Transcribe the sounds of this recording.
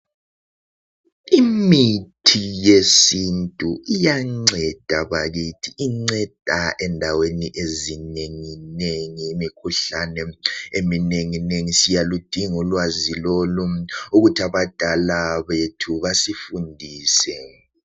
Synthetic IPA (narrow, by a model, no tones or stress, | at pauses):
imitʰijesintʼuʔijaŋ͡ǀɛd̥ʱaβaɣitʰiʔːŋ͡ǀɛd̥ʱaʔɛndʱaweniʔezineŋineŋiːmikʰuɬanɛemineŋineŋisijalud̥ʱiŋulwaziloluuɣutʰiaβad̥ʱalaβetʰuβasifundʱiːsɛ